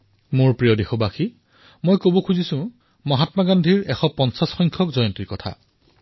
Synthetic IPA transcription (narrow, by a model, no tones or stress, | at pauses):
moɹpɹijɔdexobaxi | mojkobokʰuzisʊ̃ | maɦatmaɡandʱiɹɛxɔpɔnsasxɔjŋkʰɔkzɔjɔntiɹkɔtʰa̰